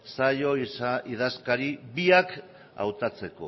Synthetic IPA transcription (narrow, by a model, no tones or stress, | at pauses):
sajo̞iaiðaskaɾiβiak | a̰wt̪at͡se̞ko̞̰